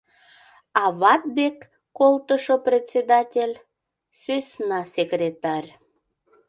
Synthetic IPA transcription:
ɑβɑt̪̚d̪ekː | olt̪əʃoprʲet̪t͡sʲed̪ɑtʲelʲ | søsnɑsʲekrʲet̪ɑrʲ

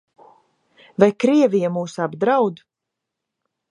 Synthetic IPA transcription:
vajkɾiɛvijamuːsabd̪ɾawd̪

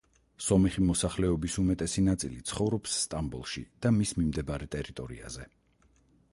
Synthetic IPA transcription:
sɔmiχimɔsaχlɛɔbisumɛt̪ʼɛsinat̪sʼilit̪sʰχɔvɾɔpsːt̪ʼambulˠʃḭd̪̥amismimd̪ɛbaɾɛt̪ʼɛɾit̪ʼɔɾḭa̰zɛ

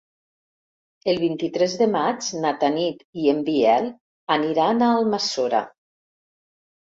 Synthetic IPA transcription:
elˠβint̪it̪ɾɛzðemad͡ʒnat̪anit̪iembiɛl | aniɾanaːlˠmasoɾa̰

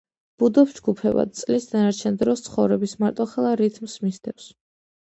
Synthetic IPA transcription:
b̥ud̪ɔpd͡ʒɡupʰɛba̰d̪̚t̪sʼlisd̪anaɾt͡ʃʰɛnd̪ɾɔst̪sʰχɔvɾɛbismaɾt̪ʼɔχɛlˠaɾit̪ʰmsmisd̪ʰɛfs

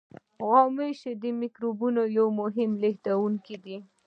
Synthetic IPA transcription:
ɣɑmejʃed̪əmikɾobunojawmʊɦɪmleht̪awuŋkid̪i

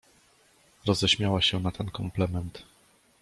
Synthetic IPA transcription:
ɾɔzɛɕmʲjawaɕɛnat̪ɛnkɔmplɛmɛnt̪

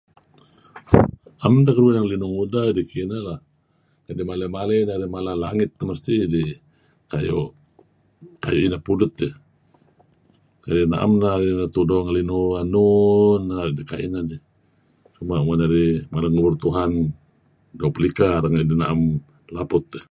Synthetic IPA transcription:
amt̪̬akəɾuinaŋlinuŋudadikinala | adimaləmalenadimalalaŋɪt̪ːaməst̪idi | kajɔʔ | kajuʔinapudʊt̪̚ːi | kadina̰ʔa̰mnadinat̪udɔŋlinuanunːadika̰ḭnadi | t͡ʃumaʔmanaɾimaləŋuburt̪uɦan | dopəlikaɾaŋadinaam | lapʊt̪ːɛ

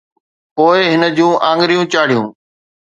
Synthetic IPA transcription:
poːɪɦɪnəd͡ʑũːʔãːŋɡɾijũːt͡ɕaːɽijũː

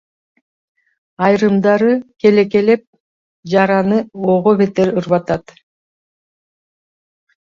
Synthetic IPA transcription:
ɑjɾɯmd̪ɑɾɯke̞le̞ke̞le̞p̚ | d͡ʒɑɾɑnɯoʁoβe̞t̪eɾɯɾβɑt̪ɑt̪

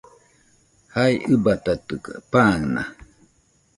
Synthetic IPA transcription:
haiʔɨbat̪at̪ɯka̰paːŋna̰

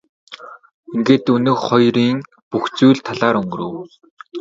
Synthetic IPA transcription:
iŋɡeːt̪ɵnɵ̆kχɔjriːŋ | puxt͡sujɮt̪ʰaɮaːɾɵŋɡ̆ɾɵ̰̆w

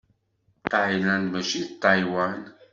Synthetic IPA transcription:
tajlanməʃitajwan

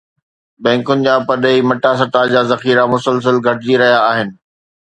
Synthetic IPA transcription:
bɛ̃ːŋkʊnɪ̆d͡ʑaːpɐɗimɐʈas̬ɐɾt̪aːd͡ʑaːzɐxiːɾamʊsəls̬əlɡʱɐʈɪd͡ʑiɾɐɦijaːɦɪnɪ̆

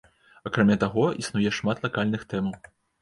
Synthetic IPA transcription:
akɾamʲat̪aɣɔisnujɛʂmat̪lˠakalʲnɨxt̪ɛmɐw

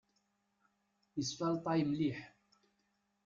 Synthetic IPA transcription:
isfalt̪ˤajmliħ

